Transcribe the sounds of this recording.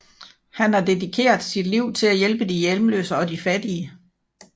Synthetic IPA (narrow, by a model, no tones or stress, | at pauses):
hænhæd̥e̝dikʰe̝̰ːɐðˠsid̥liʊ̰t͡sʰe̝læjelb̥əd̥ijelmlø̰ːsəɒ̽difæd̥iə